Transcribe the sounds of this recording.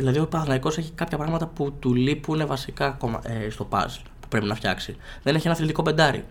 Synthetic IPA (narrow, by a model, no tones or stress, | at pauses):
ðilɐðiopɐθnɐiko̞se̞çikɐpçɐpɾɐɣmɐt̪ɐput̪ulipune̞vɐsikɐːko̞mɐ̰est̪o̞pɐ̰s | pu̥pɾe̞pinɐfçɐksi | ðe̞neçie̞nɐθilt̪iko̞pe̞nd̪ɐɾḭ